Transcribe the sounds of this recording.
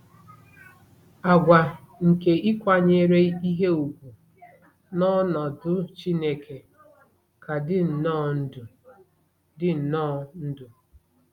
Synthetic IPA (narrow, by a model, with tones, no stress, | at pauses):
a˨ɡʷa˨ | ŋ̩˨ke˨ʔi˦kʷa˦ɲe˦ɾe˦i˦ɦe˦u˨ɡʷu˨ | nɔ˦nɔ˨dʊ˦t͡ʃi˦ne˦kʰe˨ | ka˨dɪ˦n̩˨nɔ˦n̩˦dʊ˨ | dɪ˦n̩˨nɔ˦n̩˦dʊ˨